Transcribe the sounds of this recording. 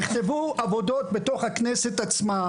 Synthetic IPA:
iχt̪e̞vuavo̞do̞t̚be̞to̞χhaknese̞t̪at͡sma

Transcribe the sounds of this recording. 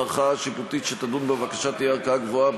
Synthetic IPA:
ʁχaʃiput̪it̪ʃet̪ad̪unbevakaʃat̪ijeaʁkaaɡvoa

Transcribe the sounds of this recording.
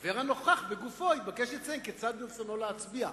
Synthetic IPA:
veeʁanoχaχbeɡufo̞ibakeʃet͡saimket͡sad̪̚bufsanoleat͡sbia

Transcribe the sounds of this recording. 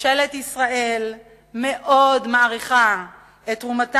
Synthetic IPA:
ʃeletisʁae̞l | meʔo̞dmaaʁiχa | etʁumat

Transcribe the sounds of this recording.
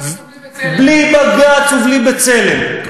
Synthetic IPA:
blibaɡat͡suvlibet͡selem

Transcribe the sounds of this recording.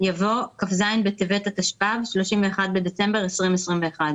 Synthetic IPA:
javo̞kafzajnbet̪evet̪at̪aʃpavʃloʃimveːχad̪̚bed̪et͡se̞mbe̞ʁesʁimesʁimveːχad̪

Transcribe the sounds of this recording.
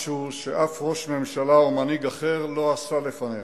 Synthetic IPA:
ʃuʃeʔafʁo̞ʃme̞mʃalaomaniɡaχeʁlo̞asale̞fane

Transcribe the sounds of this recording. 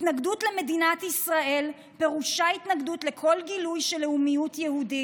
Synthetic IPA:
tnaɡdutle̞me̞dinatisʁaʔe̞l | pe̞ʁuʃait̪naɡdutle̞kʰo̞lɡilujʃeleumijutjehudi

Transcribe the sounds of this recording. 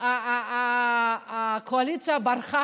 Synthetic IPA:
a | kʰoalit͡siabaɾχa

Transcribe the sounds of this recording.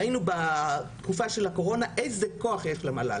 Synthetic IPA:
inubat̪kufaʃe̞lako̞ʁo̞naʔejzeko̞aχjeʃlemala̰

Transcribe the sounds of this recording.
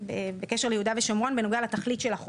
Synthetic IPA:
bebekeʃeʁlejehud̪aveʃomʁo̞nvenoɡealet̪aχlit̪ʃelaχ

